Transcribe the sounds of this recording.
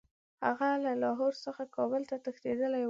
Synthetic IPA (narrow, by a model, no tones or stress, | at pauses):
ha̰ɣalalɑɦoɾsəxakɑbəlt̪at̪əxt̪ed̪əlaj